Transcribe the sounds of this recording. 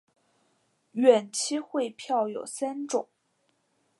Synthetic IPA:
ɥɛ˨˩nt͡ɕʰi˥xwe˥˧ɪpʰjɑ˥˧ʊjo˨˩ʊsa˥nʈ͡ʂʊ˨˩˦ŋ

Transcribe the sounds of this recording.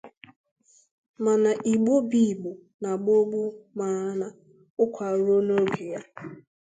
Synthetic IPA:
ma˨na˨ʔi˨ɡ͡bo˦bi˦˨ɡ͡bo˨ | na˨ɡ͡bo˦ɡ͡bu˦ma˨a˦na˨ | ʊ˦kʷʰa˨ɾo˦no˦ɡe˨ja˦

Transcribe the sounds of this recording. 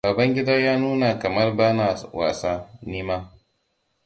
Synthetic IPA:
baː˨bɐ˦ŋɡʲɪ˦daː˦jaː˦nuː˦na˨kɐ˨mɐ˦rbaː˦na˨wa̰ː˨saː˦niː˦maː˦

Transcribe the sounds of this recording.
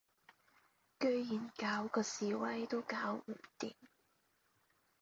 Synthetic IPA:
kɵ˥ɥjiː˨˩nkaː˨˧wkɔː˧siː˨wɐ˧jt̪o˥wkaː˧˥w̩˨˩t̪ḭː˨˩m

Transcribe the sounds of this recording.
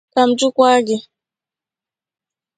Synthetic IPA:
ka˨m̩˨d͡ʒu˦kwa˦ɡi˨

